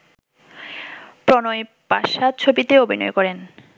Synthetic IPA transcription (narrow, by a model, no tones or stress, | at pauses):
pɾɔnoj | paʃat͡ɕʰobit̪eobʱinɔ̰jkɔɾen